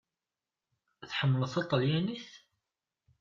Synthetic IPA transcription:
θħəmːələθɑt̪ˤːəljæniθ

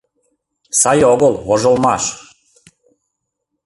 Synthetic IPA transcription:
sajeoɡoloʒolmaʃ

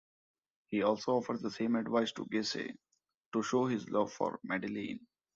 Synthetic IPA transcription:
hiːɔːlsoːɔːfəɾɖd̪əsẽːmɛɖʋaɪsʈṵɡeːsḛː | ʈuʃoːɦɪzlʌʋfɔ̰ːɾmæɖɪlḭ̃ːn

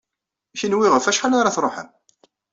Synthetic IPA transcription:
æçinwiʁəfæʃħalaɾaθɾˤoħə̰m

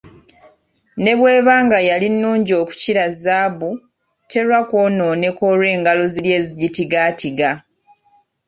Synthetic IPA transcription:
ne̞βwe̞ːβaːŋɡajalinːuːɲɟo̞ːku̥ciɾazaːβu | tʰe̞ɾwako̞no̞ːne̞ko̞ːɾwe̞ːŋɡalo̞zilje̞ːziɟitiɡaːtʰiɡa

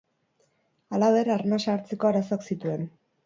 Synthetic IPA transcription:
alaβe̞ɾaɾnasaːɾt͡se̞ko̞aɾaso̞aksit̪ue̞n

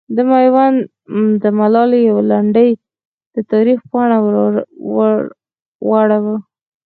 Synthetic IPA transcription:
d̪əmajwan | d̪əmalɑlijawlaɳɖəj | d̪̥ət̪ɑɾifpɑɳaw | waɽawa

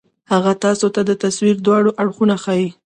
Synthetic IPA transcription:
haɣat̪ɑsot̪ad̪ət̪aswiɾd̪wɑɽoʔaɽxunaxɑji

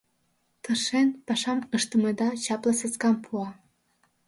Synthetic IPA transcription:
t̪əʃenpɑʃɑməʃt̪əmed̪ɑt͡ɕɑplɤseskɑmpʰuɑ

